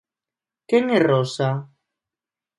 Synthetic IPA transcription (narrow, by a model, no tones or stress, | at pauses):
keŋerosa